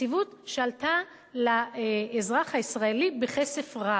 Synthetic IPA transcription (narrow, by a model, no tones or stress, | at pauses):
ivut̪ʃalt̪a | laezʁaχhaisʁaelibeχese̞fʁa